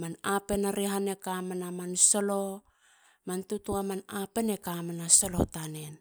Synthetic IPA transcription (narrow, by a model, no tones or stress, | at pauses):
manape̞naɾiɦane̞kamanamansolo̞ | mantutuamanape̞ne̞kamanaso̞lo̞̰tanen